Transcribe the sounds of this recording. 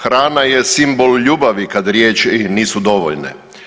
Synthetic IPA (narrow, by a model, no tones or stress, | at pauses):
xɾaːnajesimbolʎuːbaʋikad̪ɾjeːt͡ʃiniːsud̪o̞ʋo̰ʎnḛ